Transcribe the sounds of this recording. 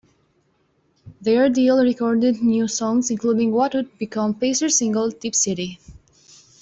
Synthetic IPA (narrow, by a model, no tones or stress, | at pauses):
ðəɹdilˠɹikɔɹdɪd̚njusɔ̃ŋzɪ̃nkludɪ̃ŋwʌtwʊd̚bikʰʌ̃mpeɪsəɹsɪ̃ŋɡəl̩ˠd̪ipsɪɾi